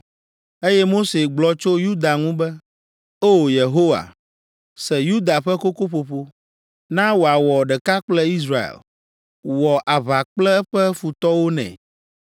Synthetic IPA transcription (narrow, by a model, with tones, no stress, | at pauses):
e˦jɛ˦mo˦se˨ɡ͡blɔ˨t͡ʃo˦ju˦d̪a˨ŋũ˦bɛ˦ | o˦˨je˨ɦo˦wa̰˨ | sɛ˨ju˦d̪a˨ɸɛ˦ko˦ko˦ɸo˨ɸo˦ | nã˦wo˨a˨wɔ˨ɖɛ˨ka˦k͡plɛ˦i˦s̬ɾa˦ḛ˨l | wɔ˨ʔa˨βa˨k͡plɛ˦ɛ˦ɸɛ˦fu˨t̪ɔ˦wo˦nɛ̰̃˨